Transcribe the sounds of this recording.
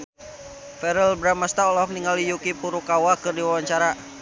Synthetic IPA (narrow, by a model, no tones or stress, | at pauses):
fɛɾəlbɾamast̪aɔlɔkniŋalijukipuɾukawakɨrdiwawaɲt͡ʃaɾa